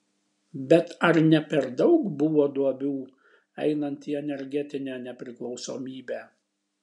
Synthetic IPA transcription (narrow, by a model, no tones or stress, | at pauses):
bʲɛt̪ɐɾnʲɛpʲɛɾd̪ɒʊkbʊʋoːd̪uɔbʲuː | ɛ̰ɪnɐnʲt̪ʲiːɛnʲɛɾʲɡʲɛt̪ʲɪnʲæːnʲɛpʲɾʲɪklˠɒʊsoːmʲiːbʲæː